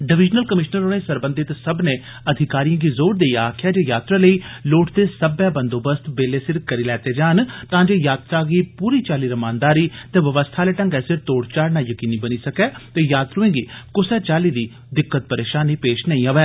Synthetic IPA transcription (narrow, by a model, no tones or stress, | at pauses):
ɖɪʋɪd͡ʒnəlkəmɪʃnəɾoɽẽːsəɾbə̃nd̪ɪt̪səbnẽː | əd̪ʱɪkaːɾijãːɡiːzoːɾd̪eiaːkʰɪjaːd͡ʒeːjaːt̪ɾaːləiːloːʈʰd̪eːsəbɛ̃ːbənd̪oːbəst̪beːleːsɪɾkəɾiːlɛːt̪eːd͡ʒaːnt̪ãːd͡ʒeːjaːt̪ɾaːɡiːpuːɾiːt͡ʃaːliːɾəmaːnd̪aːɾiːt̪eːʋəʋəst̪ʰaːleːʈə̃ŋɡɛːsɪɾt̪oːɽt͡ʃaːɾnaːjəkiːniːbəniːsəkɛːt̪eːjaːt̪ɾʊẽːɡiːkʊsɛːt͡ʃaːliːd̪iː | d̪ɪkːət̪̚pəɾeːʃaːniːpeːʃnəĩːaʋɛː